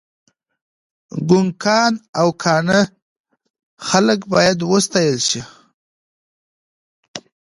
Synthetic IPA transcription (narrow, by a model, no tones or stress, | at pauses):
ɡʊŋkʰɑnawkʰɑɳə | xaləkbɑjad̪wəst̪ɑjəlʃi